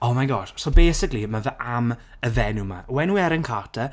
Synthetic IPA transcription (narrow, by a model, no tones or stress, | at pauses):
ɔmaɡɔʃsɔbeːsɪklimavəʔam | əvɛnuma̰wɛnwɛɾənkʰaːtʰə